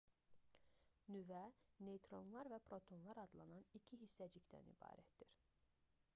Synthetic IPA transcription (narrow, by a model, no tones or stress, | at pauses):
nyvænejt̪ʰɾo̞nlˠɑɾvæpʰɾo̞t̪ʰo̞nlˠɑɾɑd̪lˠɑnɑnicʰiɦisːæd͡ʒicʲd̪æ̰nḭbɑ̰ːɾæt̪d̪iɾ